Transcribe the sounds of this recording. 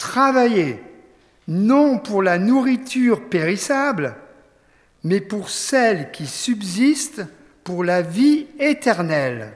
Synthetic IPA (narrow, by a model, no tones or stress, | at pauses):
t̪χavaje | nɔ̃puʁlanuʁit̪ʰyʁpeʁisabl | mɛpuʁsɛlkʲisybzist̪ | puʁlaviet̪ɛʁnɛl